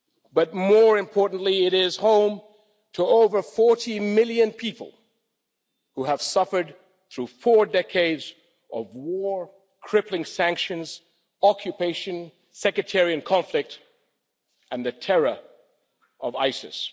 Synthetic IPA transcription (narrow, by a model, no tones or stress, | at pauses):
bʌt̚mɔɹɨ̃mpʰɔɹʔn̩ʔliɪɾɪz̥hõʊ̃m | tʰəoʊvə˞fɔɹɾimɪlˠjɨ̃npʰipəl̩ˠ | huəv̥sʌfə˞d̪̚ | θɹufɔɹdɛkʰeɪdz | ʔʌvwɔɹ | kʰɹ̥ɪplɪ̃ŋsæ̃ŋkʃɨ̃nz̥ | ɑkʰjɨpʰeɪʃɨ̃n | sɛkɹɨtʰɛɹiɨ̃nkʰɑ̃ɱflɪk̚t | ʔɨ̃nðɨtʰɛɹə˞ | ʔʌvaɪsɨ̰s